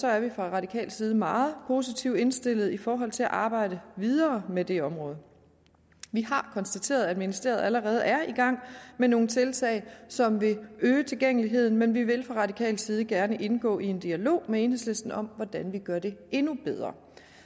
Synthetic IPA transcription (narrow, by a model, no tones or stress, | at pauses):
sɒ̽æɐʋifʁɑ̈ʁɑ̈dikʰɛ̰ːld̥siːð̞ˠəmɑ̈ːð̞̩ˠpʰo̝sit͡sʰiʊd̥e̝nsd̥e̝l̰ð̞̩ˠifɒːɦɒ̽l̰t͡sʰe̝læʔɑ̈ːb̥ɑ̈ɪ̰ɾ̥əʋið̞ˠɐːmed̥e̝ɒ̽mʁɔ̽ːð̞̩ˠ | ʋihɑ̈kʰɒ̽nsd̥æt͡sʰe̝̰ːɐðˠæd̥minisd̥e̝̰ːɐð̞ˠæləʁɛːð̞̩ˠæɐiɡ̥ɑ̈ŋ̰meno̝ːn̩t͡sʰe̝lt͡sʰɛ̰ɪsɒ̽mʋe̝øːt͡sʰe̝lɡ̥eŋ̰əliɦe̝ð̰ˠn̩menʋiʋe̝lfʁɑ̈ʁɑ̈dikʰɛ̰ːld̥siːð̞̩ˠəɡ̥æɐnəʔe̝nɡ̥ɔ̰ːie̝nd̥iælo̝̰ːmee̝ːnɦesle̝sd̥n̩ɒ̽m̰ʋɒd̥ænʋiɡ̥ɶɐd̥e̝e̝nub̥eð̞ˠʁɐ̰